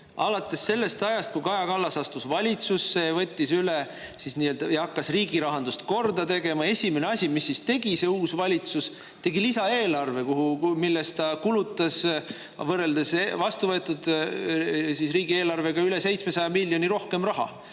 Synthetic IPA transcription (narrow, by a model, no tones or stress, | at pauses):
ɑlɑt̪ːˑe̞sːe̞lːe̞st̪ɑjɑst̪̚kujkɑjɑkɑlːɑsɑst̪usvɑlʲit̪susːe̞vɤ̞t̪ʲˑːisyle | sisniːøld̪ɑjɑɑkːɑsriːɡiɾɑɦɑnd̪ust̪̚ko̞rd̪̥ɑt̪e̞ɡe̞mɑe̞sʲimeneɑsʲimisːist̪e̞ɡ̥ise̞uːsvɑlʲit̪sus | t̪e̞ɡilisɑe̞ːlɑrve̞kuɦumilːe̞st̪ɑkulut̪ːˑɑs | vɤrːeld̪esevɑst̪uvɤet̪ːˑud̪ | sisriːɡie̞ːlɑrve̞ɡɑyle̞se̞jt̪sme̞sɑjɑmilʲːjo̞niɾo̞hke̞mrɑɦɑ̰